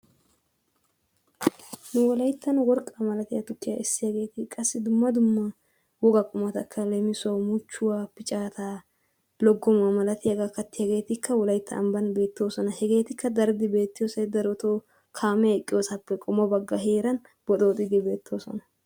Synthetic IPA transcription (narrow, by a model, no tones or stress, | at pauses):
nʊwɔlɐjt̪ʰːɐnwɔɾkʼːɐmɐlɐt̪ɪjɐt̪ʊkːɪjɐ̰ʔɪsːɪjɐɡe̞ːt̪ɪkʼɐsːɪd̪ʊmːɐd̪ʊmːɐ | wɔɡɐkʼʊmɐt̪ɐkʰːɐlemɪsʊwɐwmut͡ʃːʊwaːpɪt͡ʃʼaːt̪aː | lɔɡːɔmɐmɐlɐt̪ɪjɐɡɐkːɐt̪ːɪjɐɡe̞ːt̪ɪkʰːɐwɔlɐjt̪ʰːɐ̰ʔːmbɐnbe̞ːt̪ːo̞ːsɔnɐhɛɡe̞ːt̪ɪkːɐd̪ɐɾd̪ɪbe̞ːt̪ːɪjoːsɐjd̪ɐɾɔt̪oː | kʰaːmɛɛkʼːɪjo̞ːsɐpːɛkʼʊmɐbɐɡːɐɦe̞ːɾɐn | bɔt̪ʼoːt̪ʼɪd̪ɪbe̞ːt̪ʰːo̞ːsɔ̰nɐ